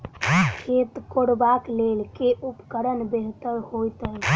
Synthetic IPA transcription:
kʰet̪koɽbaklelkeʔupkəɾənbeɦt̪əɾhojt̪əj

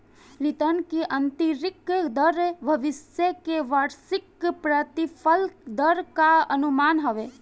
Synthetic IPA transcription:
lit̪ənkeʔɐnt̪iɾɪkd̪əɾebʱɐʋɪsjekeʋəɾsɪkpɾət̪ipʰəld̪əɾkaɐnumaːnɦəʋe

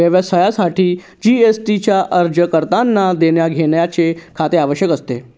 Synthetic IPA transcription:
əʋəsajasaʈʰiː | d͡ʑiesʈit͡ɕjaʔəɾd͡ʑəkəɾt̪anːad̪eɳjaɡʱeɳjat͡sekʰat̪eaʋəɕjəkəst̪e

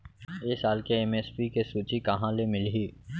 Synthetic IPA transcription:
esaːlkeɛmeːspikesuːt͡ʃikɐɦãlemɪlɦiː

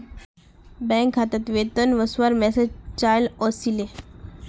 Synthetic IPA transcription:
bɛ̃ŋkʰːat̪at̪ʋet̪ənʋəsʋaɾmɛsed͡ʒt͡ɕajlɔsile

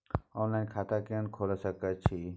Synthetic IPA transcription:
ɔːnlaːɪnkʰaːt̪akeənkʰoːlsəkət͡ʃʰi

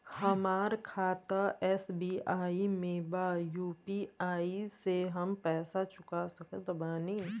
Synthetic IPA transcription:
hɐmaːɾkʰaːt̪aɛːsbiːaːimẽːbajuːpiaːiseɦɐmpɛːsat͡ʃʊkasɐked̪ɐbaːni

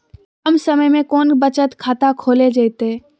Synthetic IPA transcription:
ɐmsɐməjmẽkɔːnbɐt͡ʃət̪kʰaːt̪akʰoːled͡ʒaːɪt̪eː

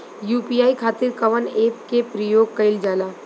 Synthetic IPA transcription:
juːpiːaːikʰaːt̪ɪɾkɐʋəneːpkepɾəjoːɡ̚kɐɪld͡ʒaːlaː

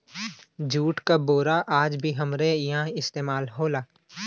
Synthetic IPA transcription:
d͡ʒʱuːʈkaboːɾaʔaːd͡ʒbʱiɦɐmɾejɐɦãɪst̪eːmaːlɦoːlaː

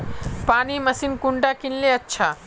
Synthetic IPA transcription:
paːnimɐsinkʊɳɖakinleɐtːʃʰaː

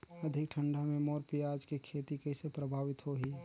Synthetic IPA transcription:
əd̪ʱɪk̚ʈʰəɳɖamẽmɔːɾpijad͡ʒkekʰeːt̪ikəsepɾəbʱaːʋɪt̪ɦoɦiː

